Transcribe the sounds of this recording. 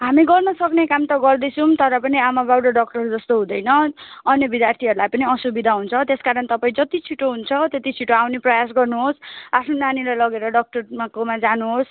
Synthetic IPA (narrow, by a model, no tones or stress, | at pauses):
ɦamiɡʌlmasʌknekamt̪ʌɡʌrd̪ʌjt͡sʰumt̪ʌɾʌpʌniamabawɖʌɖʌk̚ʈʌɾud͡zʌst̪oɦũd̪ʌjnʌːnjʌbid̪jart̪ʰiɦʌɾulajpʌniʌsubid̪ʱaɦunt͡sʰʌt̪eskaɾʌnt̪ʌpaĩd͡zʌt̪it͡sʰiʈoɦunt͡sʰʌt̪et̪it͡sʰiʈoawneprʌjas̬ɡʌrnuɦosapʰnonanilajlʌɡeɾʌɖʌk̚ʈʌrmakomad͡zanuɦos